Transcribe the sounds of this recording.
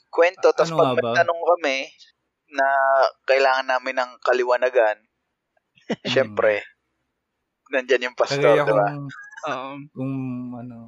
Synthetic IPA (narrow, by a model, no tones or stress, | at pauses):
kwɛnt̪o̞t̪ɐspɐɡ̚mɐt̪ɐnoŋkɐmɛ | nɐkɐʔɪlaːŋɐnːaːmɪnːɐŋkɐlɪwanaɡan | ʃɛmpɾɛ | nɐnd͡ʒanjʊŋpɐst̪oɾd̪ɪba